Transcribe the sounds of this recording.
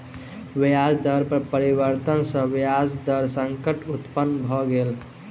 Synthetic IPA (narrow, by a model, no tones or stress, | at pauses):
ʋjad͡ʒd̪əɾpəɾpəɾibəɾt̪ənsə̃ʋjad͡ʒd̪əɾsəŋkəʈut̪pənːbʱɔɡel